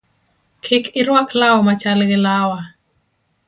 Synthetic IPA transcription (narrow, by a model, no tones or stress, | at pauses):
kʰɪkʰɪɾwaklawmat͡ʃalɡɪlawa